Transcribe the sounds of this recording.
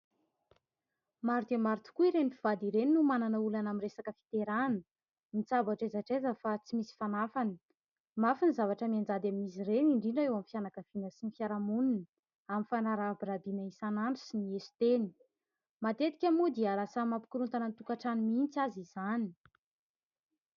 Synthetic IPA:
maɾt̪emaɾit̪u̥kuiɾenipfiv̥ad̪iɾeninumananəulanamiresakəfi̥t̪eɾanə | mit͡sabaʈ͡ʂezaʈ͡ʂezəfat͡simisi̥fanafani̥ | mafinizavaʈ͡ʂəmiand͡zad̪amimisireniɳɖ͡ʐiɳɖ͡ʐəewamifjanakəv̥inəsinifjaɾamunun | aminfanaɾabɾabinəisanaɳɖ͡ʐisiniesi̥t̪eni̥ | mat̪et̪i̥kʲamud̪iaɾasəmampu̥kuɾunt̪anant̪ukaʈ͡ʂanimint͡sazizani̥

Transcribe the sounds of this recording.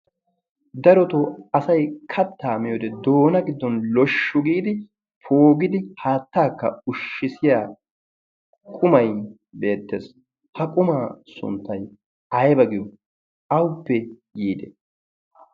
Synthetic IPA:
d̪ɐɾɔt̪ɔɐsɐjkʰɐt̪ːaːmɪjɔd̪ɛd̪oːnɐɡɪd̪ːɔnlɔʃːʊɡiːd̪ɪ | pʰoːɡɪd̪ɪhaːt̪ːaːkːɐ̰ʊʃːɪsɪjaː | kʼʊmɐj | be̞ːt̪ːḛːs | hɐkʼʊmaːsʊ̰nt̪ːɐj | ɐjbɐɡɪjɔ | ɐwʊpːɛɡiːd̪ɛ

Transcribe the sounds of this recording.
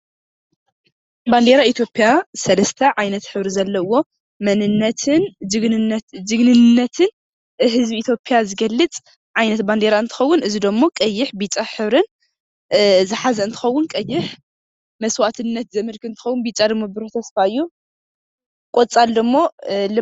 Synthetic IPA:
band̪eɾait̪ʰjo̞pʼjasɐlɐst̪ʰɐʕajnɐt̪ħɨβɾizɐlːɐwo̞ | mɐnɨnːɐt̪ʰɨnd͡ʒɨɡ̪d͡ʒɨɡnɨnːɐt̪ʰɨn | ɦɨzbiit̪ʰjo̞pʰʼjazɨɡɐlːɨt͡sʼ | ʕajnɐt̪band̪eɾaɨnt̪ʰɨ̥xɐwːʊnʔɨzid̪omːo̞kʼɐjːɪħbit͡ʃʼaħɨβɾɨn | zɨħazɐɨnt̪ʰɨ̥xɐwːʊnkʼɐjːɪħ | mɐswat̪ʰɨnːɐt̪zɐmɨlkɨɨnt̪ɨ̥xɐwːʊnbit͡ʃʼad̪ɨmːobɨɾʊħt̪ʰɐsfaɨjːu | kʼot͡sʼald̪ɨmːo̞lɨ

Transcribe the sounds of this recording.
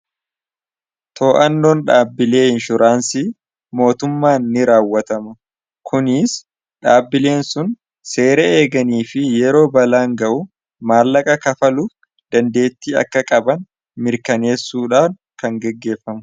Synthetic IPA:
t̪ʰo̞ːʔɐnːo̞ːnᶑaːbːɪle̞ːɪnʃʊɾʔaːnsiː | mo̞ːt̪ʊmːaːnːɪɾaːwːɐt̪ɐmʊ | kʰʊnɪs | ᶑaːbːɪle̞ːnsʊn | se̞ːɾɐeːɡɐniːfɪjɛɾo̞ːbɐlaːŋɡɐʔʊ | maːlːɐkʼɐkɐfɐluːf | d̪̥ɐnd̪e̞ːt̪ːiːɐ̰kːɐkʼɐbɐn | mɪɾkɐne̞ːsːuːᶑaːfn | kɐŋɡɛɡːe̞ːfːɐmʊ

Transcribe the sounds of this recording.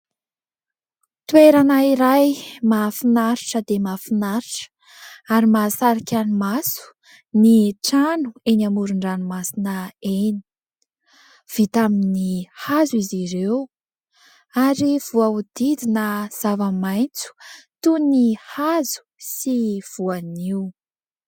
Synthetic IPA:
t̪weɾanaiɾajmafinaɾiʈ͡ʂəd̪emafinaɾiʈ͡ʂ | aɾimasaɾikʲanumasu̥ | niʈ͡ʂanuenamuɾuɳɖ͡ʐanumasinəeni̥ | v̥it̪aminihazuiziɾew | aɾiv̥uaud̪̥id̪inəz̥avəmajnt͡su̥t̪unihazu̥siv̥uaniu

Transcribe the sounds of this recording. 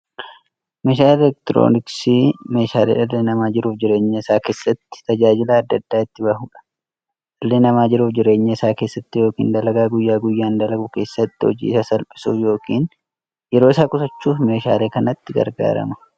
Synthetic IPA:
meːʃaːlɛlɛk̚t̪ɾo̰ːnɪksime̞ːʃaːlḛːᶑɐlːeːnɐmaːd͡ʒɪɾuːfd͡ʒɪɾe̞ːɲːɐɪsaːke̞ːsːɐt̪ːɪ̥t̪ɐd͡ʒaːd͡ʒɪlaːd̪ːɐd̪ːaːɪt̪ːɪbɐɦuːᶑɐ̥ | ᶑɐlːeːnɐmaːd͡ʒɪɾuːfd͡ʒɪɾe̞ːɲːɐɪsaːke̞ːsːɐt̪ːɪjo̞ːkḭːnd̪ɐlɐɡaːɡʊjːaːɡʊjːaːnd̪ɐlɐɡʊke̞ːsːɐt̪ːɪhɔ̰d͡ʒḭːɪsɐsɐlpʼɪ̥suːfjo̞ːkiːn | jɛɾoːɪsaːkʊsɐt͡ʃːuːfme̞ːʃa̰ːle̞ːkɐnɐt̪ːɪɡɐ̰ɾɡa̰ːɾɐ̰mɐ̥

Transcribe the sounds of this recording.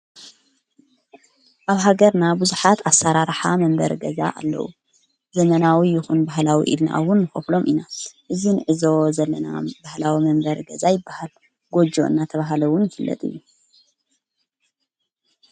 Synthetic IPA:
ʔaβɦaɡɐɾnabuzuħat̪ʰasːaɾaɾħamɐmbɐɾɡɐza̰ʔa̰lːɐ̰ʔṵ | zɐmɐnawijɪxunbaɦlawḭʔḭlna̰ʔwʊnːɨxɐflo̞mʔinaʔɨzinɨʕɨzo̞zɐlːɐna̰bahlawimɐmbɐɾɡɐzajɪbːahal | ɡo̞d͡ʒo̞̰ʔɨ̰nːat̪ʰɐβaɦalɐwːʊnjɪfɨlːɐ̰t̪ʼɨ̰jːu

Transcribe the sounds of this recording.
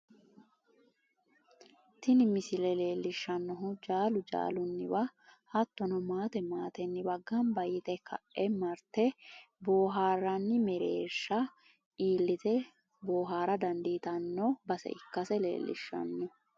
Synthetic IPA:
t̪ɪnɪmɪsɪlɛle̞ːlːɪʃːɐnːɔɦʊd͡ʒaːlʊd͡ʒa̰ːlʊnːɪwɐhɐt̪ːɔnɔmaːt̪ɛmaːt̪ɛnːɪwɐɡːɐnbɐjɪt̪ɛkʰɐʔɛmɐɾt̪ɛ | boːɦaːrɐnːɪmɛɾḛːʃːɐ | iːlːɪt̪ɛ | boːɦaːɾɐd̪ɐnd̪iːt̪ɐnːɔbɐsɛ̰ʔɪkːɐsɛlḛːlːɪ̰ʃːɐ̰nːɔ

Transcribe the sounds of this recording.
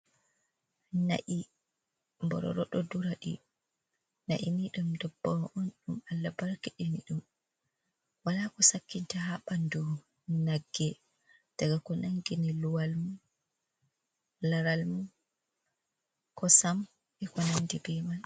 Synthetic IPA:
na̰ʔi | mbɔ̰ɾɔ̰ɾɔɗɔduɾaɗḭ | na̰ʔiniɗumdɔbːaʔɔnɗumalːabaɾkiɗiniɗum | walakɔsakːintahaɓandu | naɡːɛ | d̥aɡakɔnaŋɡiniluwalmu | laɾalmu | kɔsam | ʔɛkɔnandibɛman

